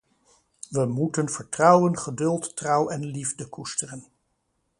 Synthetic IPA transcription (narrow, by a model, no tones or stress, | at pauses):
ʋəmutənv̥əɹtrʌwənχədɵlˠtːrʌwɛnlivdəkustərən